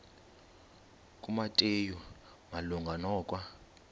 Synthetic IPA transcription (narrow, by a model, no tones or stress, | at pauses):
kʼumatʼeju | maluŋɡʱanɔːkʼwa